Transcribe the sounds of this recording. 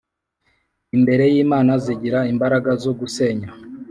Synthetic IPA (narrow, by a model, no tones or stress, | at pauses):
imbe̞ɾe̞jiːmaːnaziɟiɾaimbaɾaɡazo̞ɡuse̞ːɲa